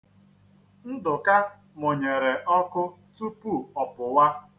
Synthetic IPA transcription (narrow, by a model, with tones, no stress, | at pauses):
n̩˦dʊ˨ka˦ | mo˨ɲe˨ɾe˨ʔɔ˦kʊ˦ | tu˦pu˦˨ɔ˨pʊ˨wa˦